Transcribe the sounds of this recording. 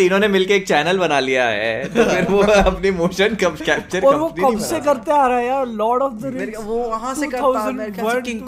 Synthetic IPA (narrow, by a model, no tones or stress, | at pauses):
iːnõnemɪlkeːk̚t͡ʃɛːnəlbɐnalijaɦɛ̰ːfɪɾʋoɐpnimoːʃənkɐkɛːp̚t͡ʃəɾɔːɾʋod̪ɐbsekɐɾt̪eaːɾaejaːlɔːɽɔfd̪əɾẽ | ʈut̪ʰaʊzə̃ɳʋɐ